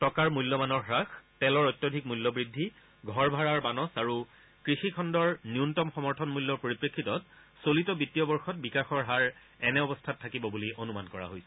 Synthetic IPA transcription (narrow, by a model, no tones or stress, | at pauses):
tɔkaɹmulːɔmanɔɹxɹaxtɛlɔɹɔjtːjodʱik̚mulːɔbɹidʱːi | ɡʱɔɹbʱaɹaɹbanɔsaɹu | kɹixikʰɔndɔɹniuntɔmxɔmɔɹtʰɔnmulːɔɹpoɹipɹekʰːitɔt̚ | solitɔbitijɔbɔɹxɔt̚bikaxɔɹɦaɹ | ɛnɛɔbɔstʰatʰːakibɔbuliʔonuma̰nkɔɹa̰ɦojsɛ̥